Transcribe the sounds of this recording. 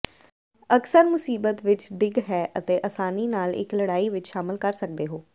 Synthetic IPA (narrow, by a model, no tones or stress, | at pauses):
əksəɾmʊsiːbət̪ʋɪt͡ʃɖɪɡɦɛːʔət̪eːʔəsaːniːnaːlɪ̰kləɽaːiːʋɪt͡ʃʃaːmɪlkəɾsək̚d̪eːɦoː